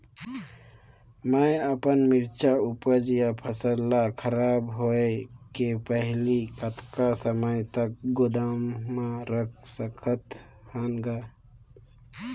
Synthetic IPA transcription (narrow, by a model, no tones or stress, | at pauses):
məəpənmɪɾt͡ʃaʊpəd͡ʒjapʰəsəlːakʰəɾaːbɦoekepəɦlikət̪ʰkasəməjt̪ək̚ɡʊd̪aːmːaɾəkʰsəkʰət̪ | hanɡaː